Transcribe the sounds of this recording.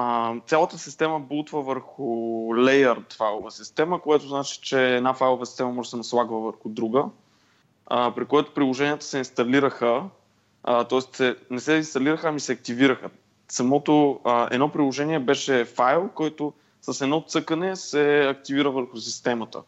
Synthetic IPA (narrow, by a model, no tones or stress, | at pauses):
ət̪sʲalˠət̪əsist̪ɛməbulˠt̪vəvəɾxʊlɛjəɾt̪fajlˠovəsist̪ɛməkojat̪ʊznat͡ʃi̥t͡ʃɛːd̪nafajlˠovəsi̥st̪ɛməmɔʒɛsɛnɐslˠaɡvəvəɾxʊd̪ɾuɡə | əpɾikojɛt̪ʊ̥pɾilˠoʒɛniət̪ə̥sɛinst̪ɐliɾəxə | t̪ɔɛst̪sɛnɛsɛinst̪ɐliɾəxəːmisɛɐk̚t̪iviɾəxə | sɐmɔt̪oəɛ̰d̪nɔpɾilˠoʒɛniɛbɛʃɛfajlˠkɔjt̪o | sɐsɛd̪nɔt̪sɤkənɛsɛɐk̚t̪iviɾəvəɾxʊsist̪ɛmət̪ə̰